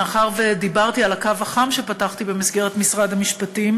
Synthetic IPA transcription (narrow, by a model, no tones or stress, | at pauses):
aχaʁved̪ibaʁt̪ialakavaχamʃe̞pataχt̪ibe̞misɡe̞ʁet̪misʁad̪hamiʃpatim